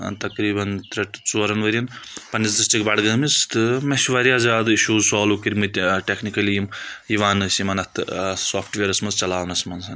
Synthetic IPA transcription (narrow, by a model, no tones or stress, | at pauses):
ɐ̰nt̪ɐkɾiːbɐnt̪ɾɐʈt͡soːɾɐnʋɐɾʲɐnpɐnisd̪ɨst͡ʃikbɐɽɡɐmist̪ɨmeʃʋaɾijaːzaːd̪ɨiʃuːzsaːlukiɾʲmɨt̪ʲʈeknikɐlijimjiʋaːnɨsimɐnɐt̪ʰɨsoːpʰʈʋʲeːɾɐsmɐnzt͡ʃɐlaːʋnɐsmɐnsɐn